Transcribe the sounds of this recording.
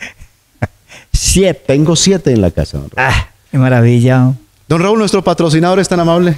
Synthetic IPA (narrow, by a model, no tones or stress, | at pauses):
sjet̪t̪eŋɡosjet̪eːnla̰ka̰sa̰ðonr̰a | kemaɾaβiʎa | d̪̥onraulnwest̪ɾopat̪ɾos̬inaðoɾest̪anamaβle